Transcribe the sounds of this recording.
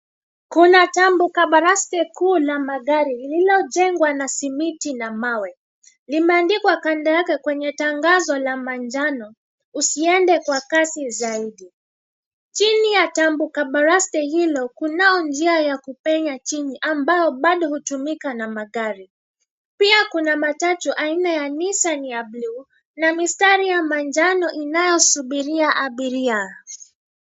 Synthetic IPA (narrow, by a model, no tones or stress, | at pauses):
kunatambukaɓaɾastɛkʰuːlamaɠaɾilililɔd͡ʒɛŋɡwanasimitinamawɛ | limɛandikwakandajakɛkwɛɲɛtaŋɡazɔlamand͡ʒanɔ | usiɛndɛkwakasizaiɗi | t͡ʃinijatambukaɓaɾastɛhilɔkunaɔnd͡ʒiajakupɛɲat͡ʃiniʔambajɔɓaɗɔhutumikanamaɠaɾi | piakunamatatuʔainajanisaniablu | namistaɾijamand͡ʒanɔʔinajɔsuɓiɾiaʔaɓiɾia